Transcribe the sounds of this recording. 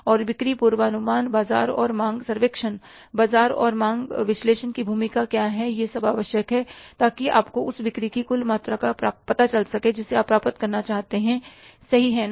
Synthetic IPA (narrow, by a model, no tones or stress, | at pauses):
ɔːɾʋɪkɾipuːɾwaɐnʊmaːnbaːza̰ːɾɔ̰ːɾmãːŋɡsɐɾʋeːkʃən | baːzaːɾɔ̰ːɾmãːŋɡʋɪʃleːʃənkibʱuːmɪkakjaːɦɛjesɐbaːʋəʃjəkɦɛt̪aːkiʔa̰ːpkoʊsʋɪkɾikikʊlmaːt̪ɾakapaːpɐt̪at͡ʃɐlsɐked͡ʒɪsːeaːpːɾaːpət̪kɐɾnat͡ʃaːɦt̪eɦɛ̃sɐɦiɦɛn